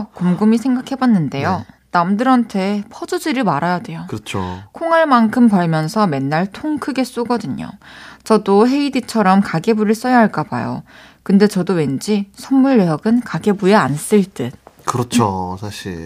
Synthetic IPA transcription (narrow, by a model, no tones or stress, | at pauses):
komɡumisʰe̞ŋɡakʰe̞banːɯnde̞jonamdɯɾantʰe̞pʰʌd͡ʑud͡ʑiɾɯmaɾajadwe̞jokɯɾʌt͡ɕʰokʰoŋɦaɭmankʰɯmpʌɭmjʌnsʰʌme̞nːaɭtʰoŋkʰɯɡe̞s͈uɡʌdɯɲo̰t͡ɕʌdoɦe̞idit͡ɕʰʌɾʌmkaɡe̞buɾɯɭs͈ʌjaɦaɭk͈aba̰jo̰ | kɯnde̞t͡ɕʌdowe̞nd͡ʑisʰʌmːuɭːeʌɡɯnkaɡe̞bujeans͈ɯɭt͈ɯkɯɾʌt͡ɕʰosʰaɕʰḭɭ